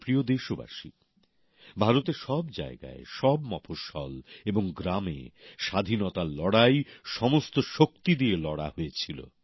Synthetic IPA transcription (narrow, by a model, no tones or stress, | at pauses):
pɾiod̪eʃoba̰ʃḭ | bʱaɾot̪eɾʃɔbd͡ʑa̰eɡa̰eʃɔbmɔpʰoʃɔ̰leboŋɡɾamḛʃad̪ʱinɔt̪alɔɽajʃɔmost̪oʃok̚t̪id̪ielɔɽa̰ɦoet͡ɕʰilo̰